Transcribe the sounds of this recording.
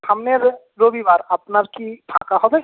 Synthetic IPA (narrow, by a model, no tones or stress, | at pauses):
hɐmneɾ | ɾoːbibaːɾɐpnəɾkiʈʰa̰ːkaɦob̪e